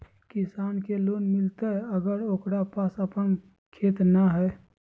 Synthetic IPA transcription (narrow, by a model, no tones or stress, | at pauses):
kisaːnkeloːnmɪlt̪eɦəɡəɾoːkɾapasəpən | kʰeːt̪naɦɛ